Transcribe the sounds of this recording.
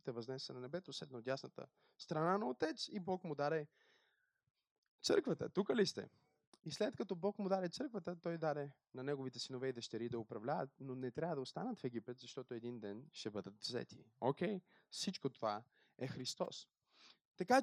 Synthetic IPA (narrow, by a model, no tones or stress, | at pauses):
t̪ɛvɐznɛsɛnɐnɛbɛt̪oslɛd̪nɐod̪ʲjasnət̪ə̰ | st̪ɾɐnanɐot̪ɛt̪sibɔkmʊd̪aɾɛ | t̪sɤ̰ɾkvət̪ə̰t̪ukəlist̪ɛ̰ | islɛt̪̚kɐt̪ɔbɔkmʊd̪aɾɛt̪sɤɾkvət̪ət̪ɔjd̪aɾɛ | nɐnɛɡovit̪ɛsinovɛid̪ɐʃt̪ɛɾid̪ɐʊpɾɐvlʲavə̰t̪̚nonɛt̪ɾʲavəd̪ɐost̪anət̪fɛɡʲipɛt̪zɐʃt̪ɔt̪ʊɛd̪ind̪ɛnʃt̪ɛbɤd̪ət̪vzɛ̰t̪ʰi̥̰okʲɛj | fsit͡ʃkot̪ova | ɛxɾist̪ɔ̰s | t̪ɐka